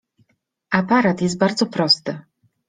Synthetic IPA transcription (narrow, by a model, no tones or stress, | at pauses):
ʔapaɾat̪jɛst̪̚baɾd̪zɔpɾɔst̪ɘ